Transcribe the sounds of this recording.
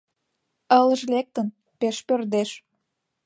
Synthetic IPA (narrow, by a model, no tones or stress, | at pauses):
ələ̆ʒlek̚t̪ən | peʃpørd̪eʃ